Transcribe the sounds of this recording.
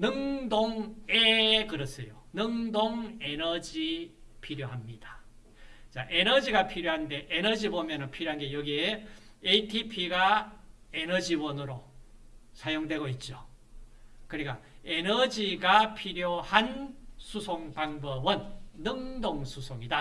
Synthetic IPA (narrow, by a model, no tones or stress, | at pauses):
nɯŋdoŋekɯɾʌs͈ejonɯŋdoŋe̞nʌd͡ʑipʰiɾjoɦamɲid̥a | t͡ɕaʔe̞nʌd͡ʑiɡapʰiɾjoɦande̞ʔenʌd͡ʑibomjʌnɯnpʰiɾjoɦanɡe̞jʌɡieeitʰipʰiɡa | enʌd͡ʑiwʌnɯɾo | sʰajoŋdwe̞ɡoit̚t͡ɕ͈o | kɯɾik͈aenʌd͡ʑiɡapʰiɾjohansʰusʰoŋbaŋbʌbɯnːɯŋdoŋsʰusʰoŋida